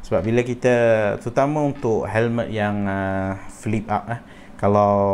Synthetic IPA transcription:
səbap̚biləkit̪ət̪ut̪aməunt̪ʊʔɦɛlmət̪̚jaŋəfilip̚ap̚ah | kalaw

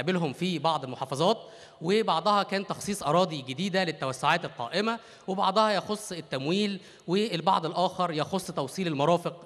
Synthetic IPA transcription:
belɦomfibɑʕd̪ˤelmoħɑːfɑzˤɑːt̪ | webɑʕd̪ˤɑhɑkæːnt̪ɑxsˤiːsˤʔɑɾˤɑːd̪ˤiɡed̪iːd̪ælet̪ːæwæsːoʕaːt̪elqɑ̰ːʔemæ | webɑʕd̪ˤɑhɑjɑxosˤːet̪ːæmwiːl | weːlbɑ̰ʕd̪ˤelʔæːxɑɾˤjɑxosˤːt̪ɑwsˤiːlelmɑɾˤɑːfeq

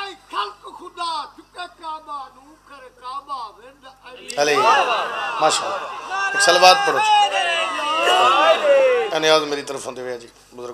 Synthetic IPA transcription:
ikʰɐlkkʰʊd̪aːt̪ʰɪpakaːmaːnuːkəɾekaːmaːʋẽnd̪əleː | maːʃa̰ːlʊksəlʋaːt̪̚pəɽoːt͡ʃʰː | ənɪjaːzmeːɾiːt̪əɾəfʰɦʊ̃nd̪eːʋejãːd͡ʒiː | mʊzɾə

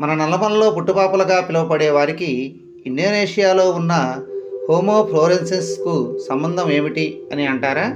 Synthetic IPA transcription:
mɐnɐnɛlːɐmɐlɐlo̞ːpuʈːupaːpulɐɡaːpilɐʋɐpɐɽeːʋaːɾikiː | nɖoːneːʂijaːlo̞ːunːɐhoːmoːpʰloːɾensɐnskusɐmbɐnd̪ʱɐme̞ːmiʈiɐniɐɳʈaːɾaː

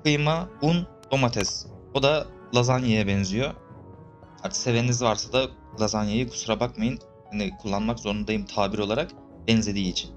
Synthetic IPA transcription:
kɯjmaun | d̪o̞mat̪ʰɛsod̪a | lˠazanjajɛbɛnzijo̞ | aɾt̪ʰkse̞venizvaɾsad̪a | lˠazanjajikʰu̥suɾabakmajɯn | hanikʰulˠːanmakzo̞ɾund̪ajɯmt̪ʰaːbiɾo̞lˠaɾak | b̥ɛnzlʲe̞d̪iːt͡ʃʰin

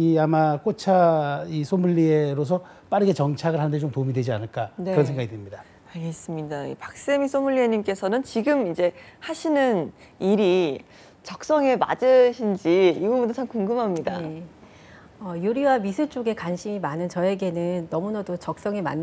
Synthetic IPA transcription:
iamak͈ot͡ɕʰaisʰomuʎːieɾos̬ʰʌp͈aɾɯɡe̞t͡ɕʌŋt͡ɕʰaɡɯɭɦandet͡ɕomtomidwe̞d͡ʑianɯɭk͈ankɯɾʌns̬ʰeŋɡaɡidwemɲida | aɭɡe̞s͈ɯmɲidaḭpak̚s͈emisʰomuɭːieɲimk͈e̞sʰʌnɯnt͡ɕiɡɯmind͡ʑe̞haɕʰinɯn | iɾi | t͡ɕʌk̚s͈ʌŋema̰d͡ʑɯɕʰind͡ʑiːɡʌbuntot͡ɕʰamkuŋɡɯmɦamɲida̰e | ʌjuɾiwamisʰɯɭt͡ɕ͈oɡe̞kwanɕʰimimanɯnt͡ɕʌe̞ɡe̞nɯnːʌmunʌdot͡ɕʌk̚s͈ʌŋema̰nː

